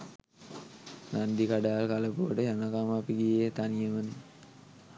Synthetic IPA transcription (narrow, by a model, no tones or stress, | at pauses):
nand̪ikaɖaːlkaləpoʋəʈəjanakamapiɡijet̪anijəməni